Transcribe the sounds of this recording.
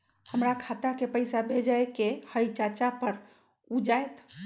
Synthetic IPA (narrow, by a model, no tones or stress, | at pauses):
həmɾakʰat̪akepəjsabʱed͡ʒaekehəjt͡ʃat͡ʃapəɾ | ud͡ʒaet̪